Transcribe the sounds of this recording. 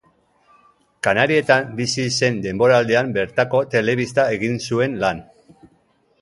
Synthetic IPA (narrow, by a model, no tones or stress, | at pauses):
kanaɾie̞t̪ambisise̞nd̪e̞mbo̞ɾaːld̪e̞ambe̞ɾt̪ako̞t̪e̞le̞β̞ist̪ae̞ɣinsue̞nlan